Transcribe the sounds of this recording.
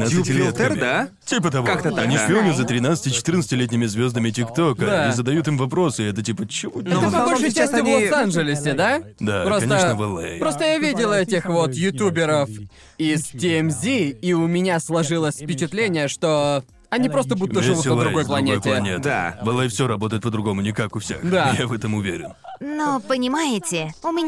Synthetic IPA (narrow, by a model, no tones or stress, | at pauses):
naɨtʲlʲet̪d̪a | tʲipət̪ɐvakt̪ət̪anʲiʂpʲɪonʲɪʊzət̪ɾʲɪnat̪sə̥tʲɪt͡ʃɪ̥t̪ɨrntsə̥tʲɪlʲet̬ʲnʲɪmʲɪzvʲozd̪əmʲɪtʲɪkt̪o̞kəd̪aizəd̪ɐjut̪ɨmvɐpɾo̞sɨɛt̪ətʲipət͡ɕɪvunɛot̪əmɐoʂɨjt͡ɕːasʲt̪ʲɪvlˠosanʐɪlʲɪsʲɪd̪ad̪apɾoskɐnʲeəʂnəvəlˠḛjpɾo̞st̪əjavʲidʲɪlˠəɛtʲɪxvo̞t̪jʊt̪ʲubʲɪɾəf | ɪstʲɪɛmzʲiiʊmʲɪnʲaslˠɐʐɨlˠəsʲfpʲɪt͡ɕɪt̪lʲenʲɪjəʂt̪o̞ | ɐnʲipɾo̞s̬t̪əbud̪ʊtvːəʐɨvut̪əd̪ɾʊɡo̞jplˠɐnʲetʲɪlɐnʲed̪̰vɐlˠejfsʲoɾɐbo̞t̪əjɪt̪pəd̪ɾʊɡo̞mʊnʲɪkakʊfsʲḛxd̪ajavɛt̪əmʊvʲḛɾʲɪ̰nnopənʲɪmajɪtʲɪʊmʲɪ